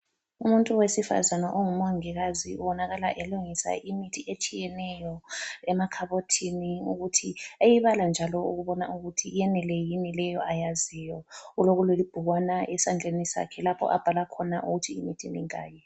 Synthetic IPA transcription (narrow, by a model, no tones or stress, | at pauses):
umuntʼuwesifa̰zanaʔoŋumwaŋiɣazḭuwɔnaɣala̰ʔɛluŋisa̰ʔimitʰiʔet͡ʃʼijɛnɛjɔɛmakʰaβotʰiniuɣutʰiejiβaland͡ʒʱalɔuɣuβɔna̰ʔuɣutʰijɛnɛlɛjinilɛjɔajazijɔɣuloɣulelib̥ʱuɣwanaʔɛsand͡ɮʱenisa̰kʰɛlapʰɔ̰ʔa̰b̥ʱalakʰɔnaʔuɣutʰiimitʰiniŋaːjɛ